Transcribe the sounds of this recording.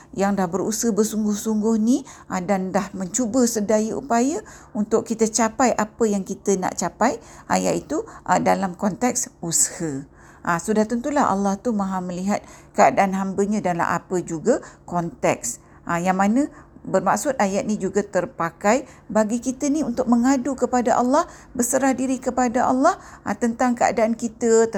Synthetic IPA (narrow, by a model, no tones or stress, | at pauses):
jaŋdahbəɾushəbərsuŋɡʊhsuŋɡʊhniʔadandahməɲt͡ʃubəsədajəʔṵpajə | unt̪ʊʔkit̪ət͡ʃapajʔapəjaŋkit̪əna̰ʔt͡ʃapajʔa̰ja̰ʔit̪uʔədalamkɔnt̪ɛk̚sushə | ʔasudat̪ʊŋt̪ulaɦʔa̰lːaht̪umãɦaməliɦat̪̚kəadaʔanɦambəɲãdala̰ʔa̰pəd͡ʒuɡakɔnt̪ɛ̰k̚s | ʔajaŋmanə̃bərma̰ʔsʊt̪̚ajaʔ̪̚nid͡ʒuɡat̪ərpakaj | baɡikit̪əniunt̪ʊk̚məŋadukəpadaʔa̰lːɑhbəsəɾahdiɾikəpadaʔa̰lːɑht̪ənt̪aŋkəa̰daʔankit̪ə